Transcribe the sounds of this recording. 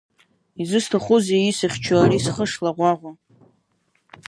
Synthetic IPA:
izɨstʰaχʷʊzeisɨχʲt͡ʃʰaarisχəʂlaʁʷaʁʷa

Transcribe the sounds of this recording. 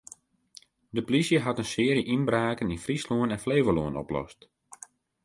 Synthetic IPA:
dəplisjəɦatənsɪːəriəʔinbraːkəninfrisluənɛnfleːʋəluənɔ̰plɔ̰st

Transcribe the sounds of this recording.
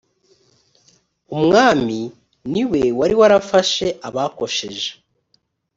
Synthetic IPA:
umŋaːmi | niwe̞waɾiwaɾafaʃe̞ʔaβako̞ʃe̞̰ʒe

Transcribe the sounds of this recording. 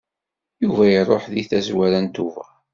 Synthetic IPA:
juvæjirˤːoħðiθæzwæɾænt̪uvæ̰

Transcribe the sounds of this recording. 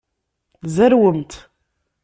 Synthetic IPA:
zæɾwəmt̪

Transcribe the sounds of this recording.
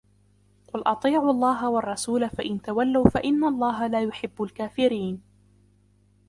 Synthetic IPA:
qʊlʔɑt̪ˤiːʕʊɑlˤːɑːɦawɑɑrˤːɑsuːlafaʔɪnt̪awalːawfaʔɪnːalˤːɑːɦalaːjʊħɪbːʊlkaːfɪɾiːn

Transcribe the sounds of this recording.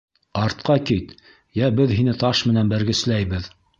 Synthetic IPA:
ɑɾt̪̚qɑkit̪ | jæbɘðɦinɘt̪ɑʃmɘ̆nænbæɾɡɘ̆slæjβɘð

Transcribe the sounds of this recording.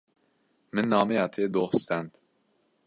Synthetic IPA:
mɨnːɑːmejɑːt̪ʰeːd̪oːhɨst̪ænd̪

